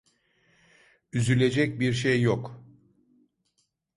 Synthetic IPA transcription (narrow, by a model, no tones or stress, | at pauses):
yzylʲe̞d͡ʒɛc̚biɾʃ̬ejːok